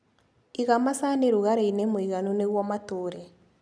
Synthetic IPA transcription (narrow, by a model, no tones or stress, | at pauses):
iɣamasaneɾuɣaɾeinemoiɣanuneɣwɔmatoːɾɛ